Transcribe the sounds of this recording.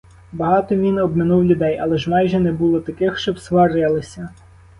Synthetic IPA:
bɐɦɑt̪ɔʋʲinɔbmɪnuwlʲʊd̪ɛjɐlˠɛʒmɑjʒɛnɛbulˠɔt̪ɐkɪxʃt͡ʃɔbsʋɑrjɐlˠɪsʲɐ

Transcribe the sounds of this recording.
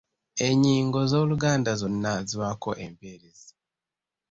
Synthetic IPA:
eɲiːŋɡo̞zoːluɡaːndazonnaziwako̞ʔempeɾezi

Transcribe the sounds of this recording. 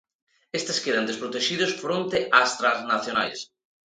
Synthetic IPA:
est̪eskeɾɐnd̪espɾot̪eʃiðʊsfɾont̪eʔast̪ɾaznaθjona̰js

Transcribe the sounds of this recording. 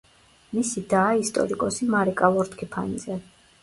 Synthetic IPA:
misid̪aːist̪ʼɔ̰ɾikʼɔsimaɾɛkʼalˠɔɾt̪kʰipʰa̰nizɛ

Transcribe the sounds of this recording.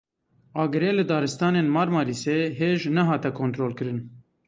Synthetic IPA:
ɑːɡɨɾeːlɨd̪ɑːɾɨst̪ɑːneːnmɑːɾmɑːɾiːseːɦeːʒnɛɦɑːt̪ɛkʰoːnt̪ɾoːlkɨɾɨn

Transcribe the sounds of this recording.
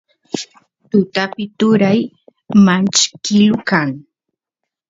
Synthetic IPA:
t̪ʊt̪apɪt̪ʊɾaj | mant͡ʃkɪlʊkaŋ

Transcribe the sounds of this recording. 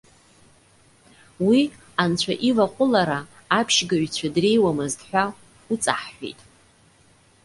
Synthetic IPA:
wi | ant͡ɕʷʰaʔivaqʷʼʊlaɾaː | pʰʃɡaɥt͡ɕʷʰadre̞jwamɨzdħʷᶣa | ut͡sʼaħːʷḛjtʼ

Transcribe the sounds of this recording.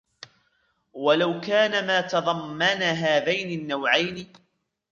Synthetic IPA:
walawkaːnamaːt̪ɑðˤɑmːanaːɦaːðajnɪnːawʕajnɪ

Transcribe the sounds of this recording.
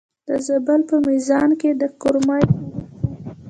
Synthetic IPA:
d̪̥əzabəlpəmizɑnked̪əkʊɾmɑ

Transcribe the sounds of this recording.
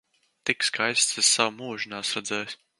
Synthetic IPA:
t̪ikskajst̪sɨssawmuːʒɨnaːsɾɛd̪zɛːjsʲ

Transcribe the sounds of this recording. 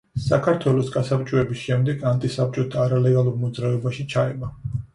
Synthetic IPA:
sakʰaɾt̪ʰwɛlˠɔsɡʼasapt͡ʃʼɔɛbisʃɛmd̪ɛɡant̪ʼisap̚t͡ʃʼɔt̪ʰaːɾalɛɡalˠuɾmɔd̪zɾavɛbaʃit͡ʃʰaɛba

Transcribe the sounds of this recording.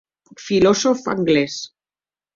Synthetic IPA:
filosofa̰ŋɡles

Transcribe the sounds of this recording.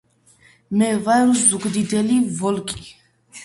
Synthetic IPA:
mɛvaɾuzukʼd̪id̪ɛlivɔlkʼi

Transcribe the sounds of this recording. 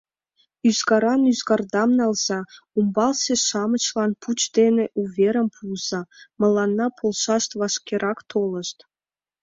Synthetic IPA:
yzɡɑɾɑnyzɡɑrd̪ɑmnɑlz̥ɑ | umbɑlseʃɑmət͡ɕlɑnput͡ɕd̪eneʔuvʲeɾəmpʰulz̥ɑmɤ̆lɑnːɑpʰolʃɑʃt̪βɑʃkʲeɾʔɑkt̪ʰolə̆ʃt̪

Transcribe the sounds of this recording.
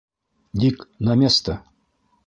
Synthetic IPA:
d̪ʲiknɐmʲest̪ə

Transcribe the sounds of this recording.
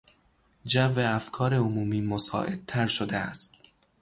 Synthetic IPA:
d͡ʒæveæfkʰɒːɾeomuːmiːmosɒ̰ːʔe̞d̪̥̚t̪ʰæɾʃod̪eæst̪̚

